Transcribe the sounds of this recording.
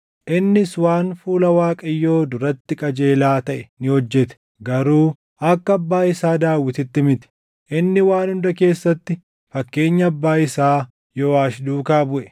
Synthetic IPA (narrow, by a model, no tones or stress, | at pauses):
ʔɪnːɪswaːnfuːlɐwaːkʼɐjːo̞ːd̪ʊɾɐt̪ːɪkʼɐd͡ʒe̞ːlaːt̪ɐʔɛnɪhɔd͡ʒːɛt̪ɛ̥ | ɡɐɾuː | ɐkːɐɐbːaːɪsaːd̪aːwːɪt̪ɪt̪ːɪmɪt̪ɛ̥ | ʔɪnːɪwaːnhʊnd̪ɐke̞ːsːɐt̪ːɪ | fɐkːe̞ːɲːɐːbːaːɪsaː | jɔːaːʃd̪uːkaːbʊʔɛ̥